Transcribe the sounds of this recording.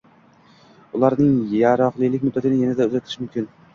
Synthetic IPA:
ʊlˠaɾnɪŋjaɾɒχlˠijlɪkʲmʊd̪ːat̪ʰɪnɪjanad̪aʊzat̪ʰɪʃmʊmkʲɪn

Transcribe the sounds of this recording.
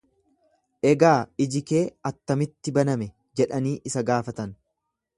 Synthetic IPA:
ʔɛɡaːɪd͡ʒɪke̞ːɐt̪ːɐmɪt̪ːɪbɐnɐmɛ | d͡ʒɛᶑɐniːʔɪsɐɡaːfɐt̪ɐn

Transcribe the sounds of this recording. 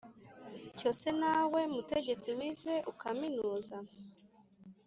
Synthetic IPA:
co̞senawe̞muteɟe̞t͡siwize̞ʔukaminuuːza

